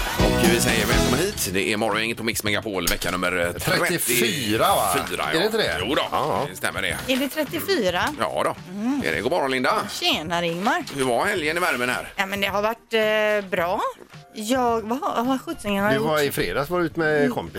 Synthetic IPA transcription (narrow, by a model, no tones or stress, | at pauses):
ʔɔkvɪsɛjːəɾvɛlmkʰɔmːəɾɦiːt̪d̪ɛʔɛɾmɔɾɔɛŋːət̪pʰɔmɪksmɛɡapʰoːlvɛkːanɵmːəɾt̪ʰɾɾɛɪɪyːɾafyːɾa̰jɾɪnt̪əd̪ɛjuːd̪ɔst̪ɛ̰mːəɖɛ̰ɛɖɛt̪ʰɾɛt̪ːɪfyːɾajɑ̰ːd̪ɔ | ɛ̰ɖɛ̰ɡoːmɔɾɔnlɪnd̪aɕeːnaɾɪŋmaɾhʉɾvahɛljənɪvæɾmənhæ̰ːɾjamɛnd̪ɛɦaɾvaʈːbɾɑːjɑːɡvahaɾɧɵt̪ːɪŋanaɪvaɪfɾḛːd̪asɔmvaɾʉːt̪mɛkʰɔmpɪs